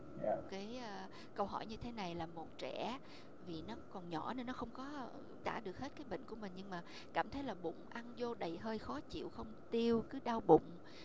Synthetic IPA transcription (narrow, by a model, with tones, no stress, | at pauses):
kaː˨˦jʔəː˧˩ | kə˧wɦɔ̰˧˩jɲɨ˧t̪ʰe˨˦na˨˩jlaː˨˩mo˨˩t̚t͡ɕɛ˧˩˥ | vi˨˩nɔ˨˦kɔ˨˩nɲɔ̰˧˩ne˧nːɔ˨˦xə˧wŋ͡mkɔ˨˦ | t̪aː˧˩ɗɨ˨˩ək̚he˦˥t̚kaː˨˦jɓḛ˧˨ŋ̟ku˧˩əmï˨˩ŋ̟ɲɨ˧ŋmaː˨˩ | kaː˧˩mt̪ʰə˨˦jlaː˨˩ɓʊ̰˧˨ŋ͡mʔa˧nzo˧ɗə˨˩jɦəː˧jxɔ˨˦t͡ɕḭ˧˨əwxə˧wŋ͡mt̪i˧əwkɨ˨˦ɗaː˧wɓʊ̰˧˨ŋ͡m